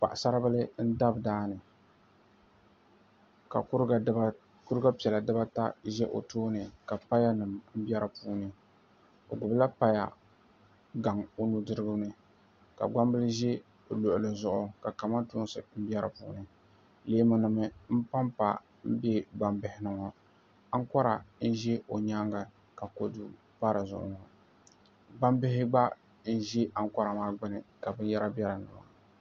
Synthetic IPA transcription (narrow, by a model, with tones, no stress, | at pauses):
pa̰˨ʔsa˦ɾɨ˦ba˦lɨ˦n̩˦da˦bdaː˦nɨ˨ | ka̰˨kʊ˦ɾ | kʊ˦ɾɨ˦ɡa˦pi˨ɛ˨la˨dɨ˦ba˦ta˦ʒɛ˦ʔo̰˨toː˦nɨ˨ka˨pa˦ja˦nɨ˨mm̩˦bɛ˦ɾɨ˨puː˦nɨ˨ | o̰˨ɡʊ˨bla˦pa˦ja̰˨ | ɡa˨ŋo˦nu˦dɨ˦ɾɨ˦ɡɨ˦nɨ˦ | ka̰˨ɡ͡ba˦mbɨ˦lɨ˦ʒɛ˦˨ | lo˨ʔʊ˨lɨ˨zʊ˨ʔʊ˨ka˨ka˨ma˦tu˦n˦sɨ˨m̩˦bɛ˦ɾɨ̰˨pṵː˨˦˨nɨ˨ | leː˦mɨ˦nɨ˨mɨ˦m̩˦pa˦mpa̰˨ | m̩˦be˦ɡ͡ba˨mbɪ˨hɪ˨nɨ˨ŋɔ˨ | a˦ŋ˦kɔ˦ɾa˨n̩˦ʒe˦o˨ɲa˦ŋɡa˨ | ka˨ko˦du˦ | pa˦ɾɨ˨zʊ̰˨ʔʊ̰˨ŋɔ˨ | ɡ͡ba˦mbɪ˦ɦɪ˦ɡ͡ba˦ | n̩˦ʒe˦ʔa˦˨ŋ˦ka˦ɾa˨maː˦ɡ͡bɨ˦nɨ˨ka˨bɨ˦n˦jɛ˦ɾa˦bɛ˦ɾɨ˨nɨ̰˨ŋmɔ̰˨